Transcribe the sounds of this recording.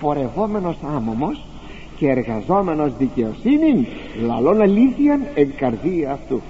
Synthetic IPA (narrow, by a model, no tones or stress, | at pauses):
fo̞ɾevomeno̞samomos | ceːɾɣɐzomeno̞zðiceosinin | lɐ̰lonɐliθiɐneŋkɐɾðiɐːft̪u